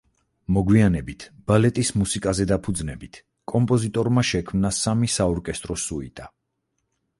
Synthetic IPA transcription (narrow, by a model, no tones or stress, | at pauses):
mɔɡwianɛbit̪ʰb̥alɛt̪ʼismusikʼazɛd̪apʰud̪znɛbit̪ʰ | kʼɔmpʼɔzit̪ʼɔɾmaʃɛkʰmnasamisaɔɾkʼɛst̪ʼɾɔsuḭt̪ʼa